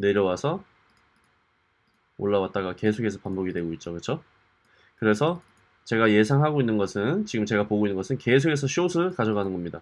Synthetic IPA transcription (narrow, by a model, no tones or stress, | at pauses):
ne̞ɾjʌwasʰʌ | o̰ɭːawat̚t͈aɣake̞sʰokʰe̞sʰʌpamboɡidwe̞ɡoit̚t͡ɕ͈okɯt͡ɕʰo | kɯɾe̞sʰʌ | t͡ɕe̞ɡaje̞sʰaŋɦaɡoinːɯnɡʌsʰɯnt͡ɕiɡɯmt͡ɕe̞ɡapoɡoinːɯnŋɡʌsʰɯnke̞s̬ʰokʰe̞s̬ʰʌɕiosʰɯɭkad͡ʑʌɡanɯnɡʌmɲida